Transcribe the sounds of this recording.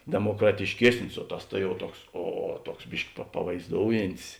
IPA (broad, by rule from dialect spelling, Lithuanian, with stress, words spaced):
dʲɛmoːkrɐtʲɪʃʲˈkʲiɛsʲnʲɪs oː ˈtɐs tɐ jɛʊ ˈtuɔks ˈoː ˈtuɔks ˈbʲɪʃʲkʲɪ pɐ pɐʋɐɪzˈdoːʊjɪnʲtʲɪs